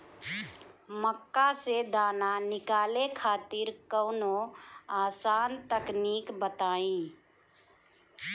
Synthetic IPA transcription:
məkːased̪aːnanɪkaːlekʰaːt̪ɪɾkəʊnoaːsaːnt̪əkniːkbət̪aːĩ

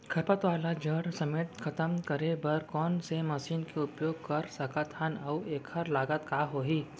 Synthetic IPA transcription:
kʰɐɾpət̪ʋaːlad͡ʒəɽsɐmeːt̪xʰɐt̪əmkɐɾebɐɾkɔːnsemɐʃiːnkeʊpjoːɡkɐɾsɐkət̪hɐnɐweːkʰəɾlaːɡət̪kaːɦoːɦiː

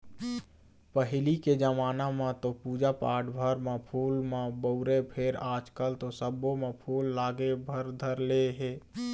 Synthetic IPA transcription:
pəɦɪliked͡ʒəmaːnamãt̪opuːd͡ʒapaːʈbʱəɾmãpʰuːlmãbəʊɾepʰeɾaːd͡ʒkəlt̪osəbomẽpʰuːlːaːɡebʱəɾd̪ʱəɾleɦeː

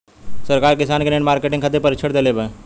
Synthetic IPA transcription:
səɾkaːɾkɪsaːnkeneʈmaːɾkeʈɪ̃ŋkʰət̪̬epəɾɪt͡ʃʰəɽd̪elebeː

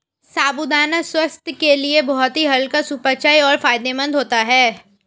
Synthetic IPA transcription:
saːbud̪aːnaswɐst̪keliebɔɦɔt̪ɦiɦɐlkasupət͡ʃaːiɔːɾfaːjd̪emɐ̃nd̪ʱɦoːt̪aɦɛː

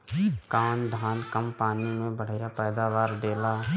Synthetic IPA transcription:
kaːnd̪ʱaːnkəmpaːnimẽbəɽ̤japɛːd̪aːʋaːɾɖeːla

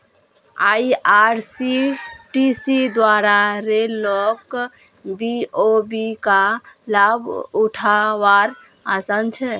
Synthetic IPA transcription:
a̰jaɾsiʈisid̪waɾaɾelɔk | biobikalabuʈʰaʋaɾ | asant͡ʃʰɛ

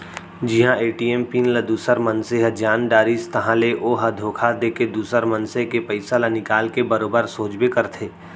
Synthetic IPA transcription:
d͡ʒɪɦãeːʈiːeːmpinləd̪uːsəɾmɐnseɦɐd͡ʒaːnɖaːɾiːst̪ɐɦãleʔoːɦɐd̪ʱoːkʰad̪eːked̪uːsəɾmɐnsekepɐɪsalanɪkaːlkebɐɾoːbəɾsoːd͡ʒbekɐɾt̪ʰeː

